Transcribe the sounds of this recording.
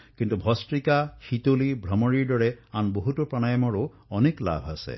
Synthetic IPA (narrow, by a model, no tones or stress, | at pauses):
kintubʱɔstɹikahit̪olibʱɾɔmɔɹiɹdɔɹeanboɦutɔpɹañajɔmɔɹo | ɔnekla̰bʱa̰sḛ